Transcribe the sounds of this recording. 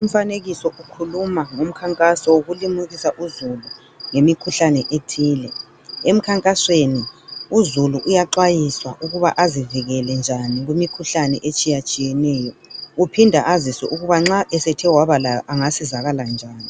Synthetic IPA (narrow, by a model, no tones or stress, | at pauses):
um̩faneɣisɔʔukʰulumaŋom̩kʰaŋkʼasɔwoɣulimuɣisaʔuzulu | ŋemikʰuɬanɛʔetʰiːlɛ | em̩kʰaŋkʼasweniuzuluʔujaǃajiswa̰ʔuɣuβaʔaziviɣɛlɛnd͡ʒʱaniɣumikʰuɬanɛʔet͡ʃʼijat͡ʃʼijɛnɛːjɔupʰindʱaʔazisɔʔuɣuβaŋ͡ǁaʔɛsɛtʰɛwaβalajɔʔaŋasizaɣaland͡ʒʱaːni